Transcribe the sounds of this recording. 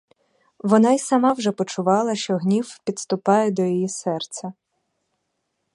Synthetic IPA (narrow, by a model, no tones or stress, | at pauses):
ʋɔnɑisɐmɑwʒɛpɔt͡ʃʊʋɑlˠɐʃt͡ʃɔɦnʲiwpʲid̪st̪ʊpɑjɛd̪ɔjijisɛrt̪sʲɐ